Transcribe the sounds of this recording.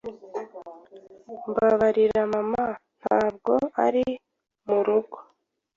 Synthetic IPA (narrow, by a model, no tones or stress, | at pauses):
mbaβaɾiɾamaman̥haːb̚ɡo̞aɾi | muɾuɡo